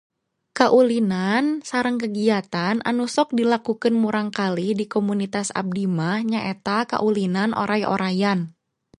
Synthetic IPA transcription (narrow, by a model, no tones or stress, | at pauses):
kaʔulinansaɾəŋkəɡiat̪anʔa̰nusɔk̚dilakukɨnmuɾaŋkalidikomunit̪asa̰b̚dimahɲaʔet̪aka̰ʔulinanʔo̰ɾʔajʔo̰ɾajan